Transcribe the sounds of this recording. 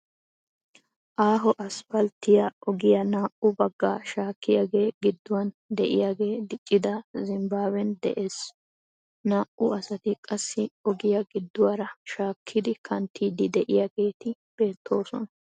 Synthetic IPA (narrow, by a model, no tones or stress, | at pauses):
ʔaːɦɔʔɐspɐlt̪ɪjɐɔɡɪjɐnaːʔʊbɐɡːa̰ːʃaːkːɪjaɡe̞ːɡɪd̪ːʊwɐn | d̪ɛʔɪ̰jaːɡe̞ːd̪ɪt͡ʃʼːɪd̪ɐzɪmbaːbɛnd̪ɛ̰ʔe̞ːs | naːʔʊɐsɐt̪ɪkʼɐsːɪɔɡɪjɐɡɪd̪ːʊwaɾɐʃaːkʰːɪd̪ɪkʰɐnt̪ʰːiːd̪ɪd̪ɛʔɪjaɡe̞ːt̪ɪ | b̥e̞ːt̪ʰːo̞ːsɔ̰nɐ